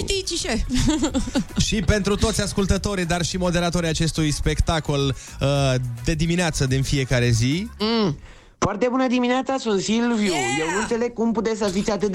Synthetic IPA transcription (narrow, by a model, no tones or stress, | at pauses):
t̪it͡ʃiʃe | ʃipe̞nt̪ɾut̪o̞t̪sʲaskult̪ət̪o̞ɾid̪arʃimo̞d̪e̞ɾat̪o̞ɾijat͡ʃe̞st̪ujspe̞kt̪ako̞l | əd̪e̞d̪imineat̪səd̪infije̞kaɾe̞zi | foart̪e̞bunəd̪imineat̪sasunt̪silvjujewnuɨnt̪se̞le̞ɡ̚kumput̪es̬əzit̪sʲat̪ɨt̪̚